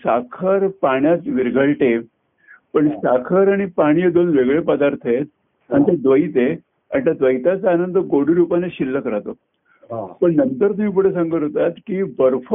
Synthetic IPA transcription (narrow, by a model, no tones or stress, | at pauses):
sakʰəɾpaɳjat̪ʋiɾɡʱəɭʈe | pəɳsakʰəɾaɽ̃ipaɽ̃ijəd̪onʋeɡɭepəd̪aɾt̪ʰəet̪̚ | aɳt̪ad̪ʋəit̪e | a̰ɳt̪jad̪ʋəjt̪at͡saanənd̪ʱəɡoɽ̤iɾupaneɕilːəkəɾat̪o | pəɳnənt̪əɾt̪um̤ĩːp̬uɽes̬ãŋɡəɦot̪at̪kiːbəɾf